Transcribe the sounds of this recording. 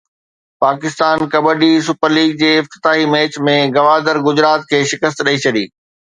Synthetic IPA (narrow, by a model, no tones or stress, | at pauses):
paːkɪst̪aːnkɐbəɖisʊpəɾliːɡ̚d͡ʑeːɪft̪ɪ̥t̪aːɦimeːt͡ɕmẽɡɐʋaːd̪əɾɡʊd͡ʑɾaːt̪̚kʰeːʃɪkəst̪ɗɐit͡ɕʰɐɗḭː